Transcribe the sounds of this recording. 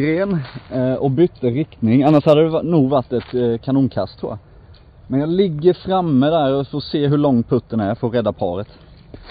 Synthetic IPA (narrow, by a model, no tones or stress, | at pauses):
ɾeːnɔbʏt̪ːəɾɪkt̪nɪŋanːaʂhad̪ːəd̪əvnuːɡvaʈːɛt̪kʰanuːnkʰa̰st̪ʰɾṵːja̰ | mɛnjɑːɡlɪɡːəɾfɾamːəd̪æɾɔfoːseːɦɵɭɔŋpʰɵt̪ːənæɾfoɾɛd̪ːapʰɑ̰ːɾət̪